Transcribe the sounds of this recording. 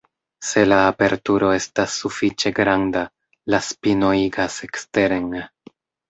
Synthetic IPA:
se̞laːpe̞ɾtuɾo̞e̞stasːufit͡ʃe̞ɡɾanda | laspino̞iɡase̞kste̞ɾeŋ

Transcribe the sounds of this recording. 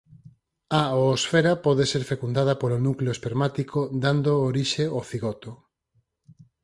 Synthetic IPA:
aoosfeɾapɔðeseɾfekund̪aðɐpolonukleoespeɾmat̪ikʰod̪and̪ooɾiʃeoθiɣɔt̪o

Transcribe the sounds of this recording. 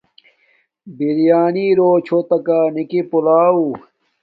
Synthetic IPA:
biɾijaːniːɾoːt͡ɕʰot̪ɐkaːnikipulaːu

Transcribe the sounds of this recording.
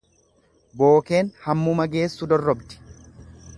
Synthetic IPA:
bo̞ːke̞ːnhɐmːʊmɐɡe̞ːsːʊd̪ɔrːɔbd̪ɪ̥

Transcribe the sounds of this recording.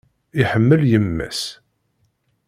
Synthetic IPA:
ɪħəmːəljəmːæ̰s

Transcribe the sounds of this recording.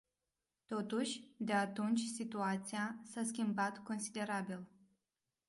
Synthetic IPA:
t̪o̞t̪uʃʲd̪e̞at̪unt͡ʃʲsit̪uat̪siasaskʲimbat̪ko̞nsid̪e̞ɾabil

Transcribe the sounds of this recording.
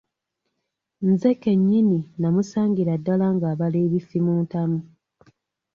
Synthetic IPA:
nze̞ke̞ɲːininamusaːŋɡiɾadːalaŋɡaːβaleːβifimuːntamu

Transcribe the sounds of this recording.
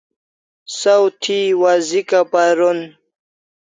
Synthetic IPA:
sawt̪ʰiwazikapaɾon

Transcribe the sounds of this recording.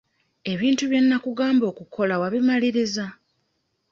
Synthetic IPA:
e̞βiːntuβje̞nːakuɡaːmbo̞ːkukʰo̞lawaβimaliɾiza

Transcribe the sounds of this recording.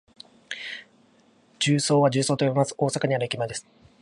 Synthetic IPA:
d͡ʑɨːso̞ːβad͡ʑɨːso̞ːt̪ojbʲimasɨ̥ʔo̞ːsakaɲiaɾɯkʲimad̪e̞sɨ̥

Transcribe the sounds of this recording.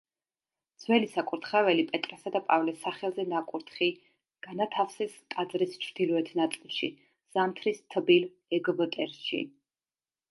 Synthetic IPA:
d̪z̥wɛlisakʼuɾt̪ʰχɛvɛlipʼɛt̪ʼɾasad̪apʼavlɛsaχɛlˠzɛnakʼuɾt̪ʰχi | ɡ̥anat̪ʰafsɛst̪ʼad̪zɾist͡ʃʰɾd̪ilɔɛt̪ʰnat̪sʼilˠʃḭ | z̥amt̪ʰɾist̪ʰbil | ɛɡbət̪ʼɛɾʃḭ

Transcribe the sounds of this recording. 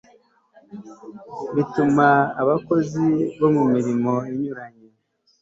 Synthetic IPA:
βitumaːβako̞ziβo̞mumiɾimo̞eɲuɾaɲe

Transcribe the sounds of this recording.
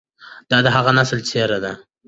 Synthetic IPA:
d̪̥ɑd̪aɦaʁanasəlt͡sʰeɾad̪a

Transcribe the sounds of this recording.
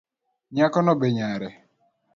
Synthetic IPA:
ɲakɔnɔbeɲaɾɛ

